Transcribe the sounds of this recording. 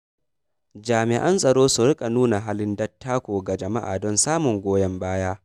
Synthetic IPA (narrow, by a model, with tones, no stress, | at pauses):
d͡ʒaː˨mɪ˨ʔa˦nsʼɐ˨ɽoː˦su˨ɾɪ˦kʼa˨nuː˦na˨ɦaː˦lɪ˦ndɐ˦tːaː˦kʷoː˨ɡa˨d͡ʒɐ˨ma˦ʔa̰ː˨dɔ˦nsaː˦mʊ˨ŋɡʷoː˦jɐ˦mbaː˦jaː˦ʔ